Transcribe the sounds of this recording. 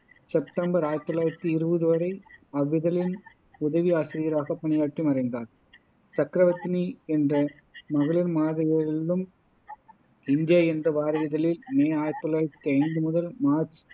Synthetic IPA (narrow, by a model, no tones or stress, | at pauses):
sɛpʈɐmbɐɾaːjɐt̪ːɔlaːjɾɐt̪ːɯɪɾɯbɐðɯʋɐɾɐɪɐʋːɪðɐlɪn | ʊðɐʋiaːsɪɾijɐɾaːɣɐpːɐɳɪjaːʈrimɐɾɐndaːɾ | sɐkɾɐʋɐt̪ːniɛndrɐ | mɐɣɐɭɪnmaːðɐjɐɪlːɯm | ɪnd̪jɐɛndrɐʋaːɾɐjɐðɐlɪlmeːaːjɐt̪ːɔlaːɾɐt̪ːiɐɪnd̪ɯmʊðɐlmaːɾt͡ʃ